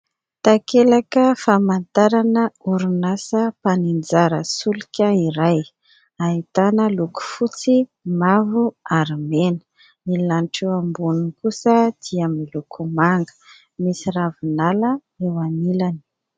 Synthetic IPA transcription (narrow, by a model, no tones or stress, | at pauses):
t̪akelakəfamant̪aɾanəuɾunasəpanind͡zaɾəsulikʲəiɾaj | aɦit̪anəluku̥fut͡simavuaɾmenə̥ | milanʈ͡ʂeambunikusəd̪̥iamilukʰumaŋɡə̥ | misiravunalə | ewanilani̥